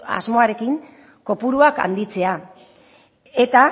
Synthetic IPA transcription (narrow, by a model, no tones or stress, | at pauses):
a̰zmo̞aɾe̞kiŋ | ko̞puɾuaka̰nd̪it͡se̞a | e̞t̪a